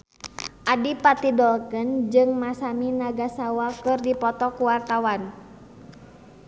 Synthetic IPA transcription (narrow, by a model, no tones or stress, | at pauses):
ʔadipat̪idɔlkɨnd͡ʒɨŋmasaminaɡasawakɨrdipɔt̪ɔkuwart̪awan